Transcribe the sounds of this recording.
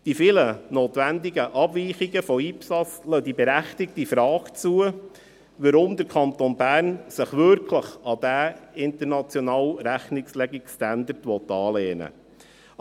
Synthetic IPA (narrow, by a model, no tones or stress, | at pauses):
d̥ifɪlənoːt̪ʋænd̪iɡəʔɑb̥ʋiːχiɡəfɔipsɑt͡slœd̪ibɛɾæχt̪ɪk̚tifɾɑːɡt͡suə | ʋəɾʊmd̪əɾkʰɑnt̪onbæːɾnsəχʋʏɾkʰləχɑd̥̪æɪnt̪əɾnɑt͡sjɔnɑːwɾæχnɪkslɛɡikstænd̪əɾtʋɔt̪ːɑːleːnə̰